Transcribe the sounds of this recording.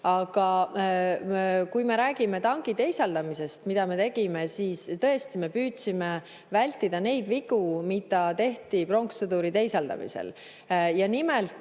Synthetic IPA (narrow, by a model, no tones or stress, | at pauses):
ɑɡ̥ɑ | kujme̞ɾæːɡ̥ime̞t̪ɑŋɡ̥it̪e̞jsɑld̪ɑmise̞st̪mid̪̥ɑme̞t̪e̞ɡ̥ime̞siːst̪ɤe̞st̪ime̞pyːt̪sime | vælʲt̪ːˑid̪̥ɑne̞jd̪viɡ̥umid̪̥ˑɑt̪e̞ht̪ipro̞ŋksud̪uɾit̪e̞jsɑld̪ɑ̰mḭsḛl | jɑnimelt̪ːˑ